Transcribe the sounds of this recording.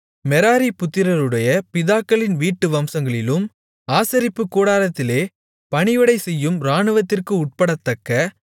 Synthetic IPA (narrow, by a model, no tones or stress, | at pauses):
mɛɾaːɾipʊt̪ːɪɾɐɾɯɽɐjɐpɪðaːkːɐɭɪnʋiːʈːɯʋɐmsɐŋɡɐɭɪlɯm | aːsɐɾɪpːɯkːuːɽaːlɐt̪ːɪleː | pɐɳɪʋɪɽɐɪsɛjːɯmɾaːɳɯʋɐt̪ːɪrkɯʊʈ̚pɐɽɐt̪ːɐkːɐ